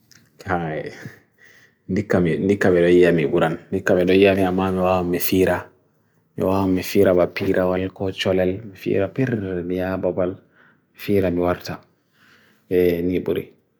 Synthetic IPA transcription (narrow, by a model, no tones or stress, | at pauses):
kaɛ | ndikːamindikːaɓɛɗɔjijamibuɾanːdikːaɓɛɗɔjijamiamːamɛwawamːɛfiːɾa | mɛ̰wawamːɛfiːɾabapiɾʔawalkɔt͡ʃɔlɛlmifḭːɾapiɾmijababal | mɛfiːɾamiwaɾta | ɓɛniɓṵɾḭ